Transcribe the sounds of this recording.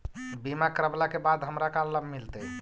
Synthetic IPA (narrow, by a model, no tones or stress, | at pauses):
bimakəɾəblakebad̪ɦəmɾakalːəbmilt̪ɛ